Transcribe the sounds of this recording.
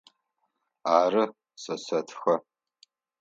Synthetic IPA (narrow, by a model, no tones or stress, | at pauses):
aːrɨ | sɐsɐtʰxɐ